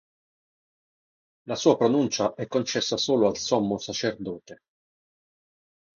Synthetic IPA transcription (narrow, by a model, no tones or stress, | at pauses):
lasuːapɾonunt͡ʃaʔɛkːont͡ʃɛsːasoːloalsɔmːosat͡ʃerd̪ɔːt̪e